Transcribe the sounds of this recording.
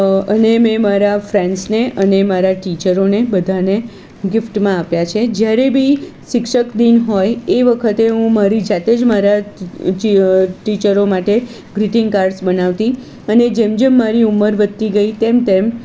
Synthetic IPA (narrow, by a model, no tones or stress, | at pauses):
ənemẽmaɾafɾɛɳɖsneʔənemaɾaʈit͡ʃəɾonebəd̪ʱane | ɡɪfʈmãapjat͡ʃʰed͡ʒjaɾebʱi | ʃɪkʃəkd̪inɦojeʋəkʰət̪eɦũmaɾid͡ʒat̪ed͡ʒmaɾa | iʈit͡ʃəɾomaʈe | ɡɾiʈɪŋɡkaɾɖsbənaʋt̪i | əned͡ʒemd͡ʒemːaɾiuməɾʋət̪ːiɡəit̪emt̪em